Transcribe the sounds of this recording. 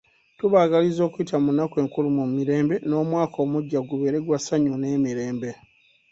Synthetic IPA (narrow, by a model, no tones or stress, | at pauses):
tuβaːɡalizo̞ːkuitamunake̞ːŋkulumumiɾe̞ːmbe̞no̞ːmwaːkʰo̞ːmuɟːaɡuβe̞ːɾe̞ɡwasaɲune̞ːmiɾe̞ːmbe̞